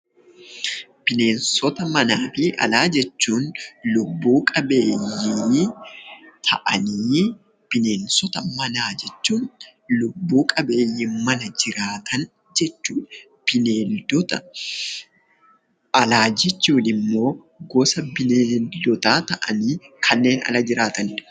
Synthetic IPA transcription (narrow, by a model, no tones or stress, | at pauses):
b̥ɪne̞ːnsɔt̪ɐmɐnaːfɪʔɐ̰laːd͡ʒɛt͡ʃːuːnlʊbːuːkʼɐbe̞ːjiː | t̪ʰɐ̰ʔɐniː | b̥ɪneːnsɔt̪ɐmɐnaːd͡ʒɛt͡ʃːuːnlʊbːuːkʼɐbe̞ːjːɪmɐnɐd͡ʒɪɾaːt̪ʰɐn | d͡ʒɛt͡ʃːuːᶑ | b̥ɪneːld̪ɔt̪ɐ | ɐlaːd͡ʒɛt͡ʃːuːnɪmːo̞ː | ɡɔːsɐbɪneːld̪ɔt̪aːt̪ɐʔɐniːkʰɐnːe̞ːnɐ̰lɐd͡ʒɪɾaːt̪ɐn